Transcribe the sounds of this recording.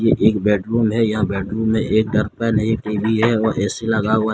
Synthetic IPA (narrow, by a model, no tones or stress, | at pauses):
jeʔeːkbɛːʈɾuːmɦɛjɐɦãbɛːɖɾuːmɦɛʔeːk̚ɖɐɾpenɐɦiʈiːbiɦɛɔːɾʔɛːselɐɡaɦʊa